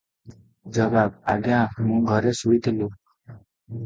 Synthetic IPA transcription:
d͡ʒəbab̚a̰ɡjãmũɡʱəɾesuit̪ʰilu

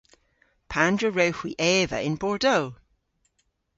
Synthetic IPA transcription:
pʰãndɹəɹowhwiʔɛːvə̰ʔɪ̃nbɔɹdoː

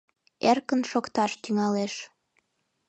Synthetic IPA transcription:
erkənʃokt̪ɑʃt̪yŋɑleʃ

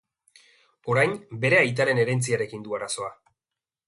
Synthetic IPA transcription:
o̞ɾajnbe̞ɾe̞ajt̪̬aɾe̞ne̞ɾe̞nt͡siaɾe̞kind̪uaɾaso̞a

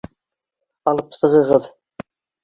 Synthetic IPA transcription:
ɑlˠɤpsɤ̆ʁɤ̆ʁɤð

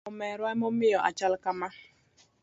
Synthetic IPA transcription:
ʊmɛɾamʊmɪjɔʔa̰t͡ʃalkama

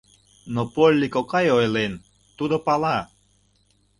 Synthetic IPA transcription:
nopolʲːikokɑjojlen | t̪ud̪opɑlɑ

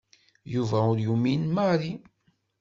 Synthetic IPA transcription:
juvæʊɾjuminmaɾi

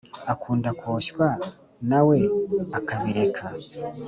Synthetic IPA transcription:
akʰuːndakʰoʃwa | nawe̞akaβiɾe̞kʰa

